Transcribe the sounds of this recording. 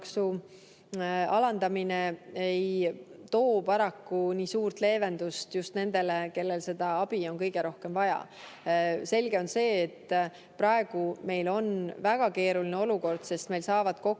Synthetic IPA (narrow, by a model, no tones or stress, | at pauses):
ksu | ɑlɑnd̪ɑmineejt̪o̞ːpɑɾɑkːuniːsuːrt̪le̞ːve̞nd̪̥ust̪just̪ne̞nd̪̥e̞leke̞lːe̞lse̞d̪̥ɑɑb̥io̞nkɤ̞jɡ̥e̞ɾo̞hke̞mvɑjɑ̰ | se̞lɡ̥e̞o̞nse̞ːt̪ː | prɑe̞ɡ̥ume̞jlo̞nvæɡ̥ɑke̞ːɾulineo̞luko̞rd̪̥se̞st̪me̞jlsɑːvɑd̪̥ko̞